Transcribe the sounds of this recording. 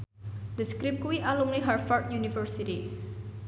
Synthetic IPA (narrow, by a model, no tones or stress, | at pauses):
d̪əskɾip̚kuwiʔaluŋniɦarfart̪̚junifəɹsiti